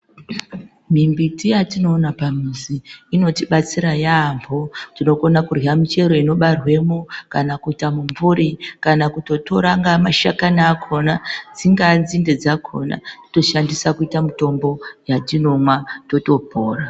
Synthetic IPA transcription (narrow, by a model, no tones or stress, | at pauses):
mimbitijatino̞ːnapamiziːno̞tiɓat͡siɾajaːmbotino̞ko̞nakuriamit͡ʃe̞ɾo̞ino̞ɓarwe̞mokanakuitamuɱvuɾikanakuto̞to̞ɾaŋɡamaʃakanaːkʰo̞nad͡ziŋɡanzinde̞d͡zakʰo̞̰na̰ti̥to̞ʃandisakuitamito̞mbo̞jatino̞mwato̞to̞poːra